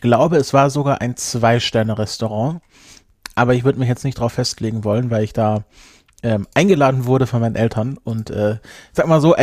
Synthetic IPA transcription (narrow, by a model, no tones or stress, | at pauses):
ɪçɡ̥laʊbəɛsv̥aːɐzoɡaːɐʔaɪnt͡sv̥aɪʃtɛɐnəʁɛstoʁ̞ɑ̃ː | ʔaːbɐɪçvʏɐdəmɪçjɛt͡stnɪçd̥ʁaʊfːɛstleːɡŋ̩vɔlənvaɪlɪçd̥aː | ʔɛːmʔaɪnɡəlaːdn̩vʊɐɾəfɔnmaɪnənʔɛltʰɐnʔʊntʔɛːz̥aːɡkəmaːlzoːʔ